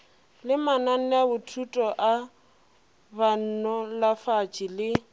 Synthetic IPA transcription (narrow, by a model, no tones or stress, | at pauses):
lɪmanan̩abʊtʰutʼɔʔa | ban̩nɔlafat͡ʃʼɪlɪ